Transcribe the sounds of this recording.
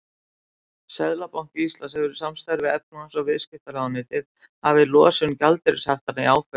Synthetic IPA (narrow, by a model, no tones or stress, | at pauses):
sɛðlapawŋ̥cɪist̪lansɛvɛɾʏsamst̪aɾvɪɛpnuansɔvɪðscɪht̪alaðanɪːt̪ɪð | havɪlɔ̰ːsʏncalt̪ɪɾɪshaft̪anaiawfœ